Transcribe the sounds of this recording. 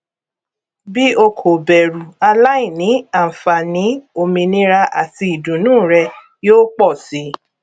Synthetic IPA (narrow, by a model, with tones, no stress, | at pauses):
bi˦o˧kʰo˨bɛ˨ɾu˨a˧la˦ĩ˦˨nĩ˨˦a˦˨m̩˨fa˨nĩ˨˦o˧mĩ˧nĩ˦ɾa˧ʔa˨ti˧i˨dũ˨nũː˦˨ɾɛ˧ | joː˦k͡pɔ˦˨si˨˦